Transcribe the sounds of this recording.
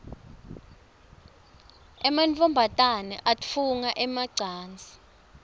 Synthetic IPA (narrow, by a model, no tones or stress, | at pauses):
ɛmant͡fʰʼɔmbʱatʼanɛ̰ʔafuŋaʔɛmaɡ͡ǀʱaːnd͡zʱi